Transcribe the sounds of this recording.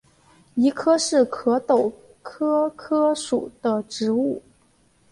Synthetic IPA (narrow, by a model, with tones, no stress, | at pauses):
i˧˥kʰɤ˥ʂɻ̩˥˩kʰɤ˧˥t̪o˨˩ʊ | kʰɤ˥kʰɤ˥ʂu˨˩d̪ə˦ʈ͡ʂɻ̩˧˥u˥˩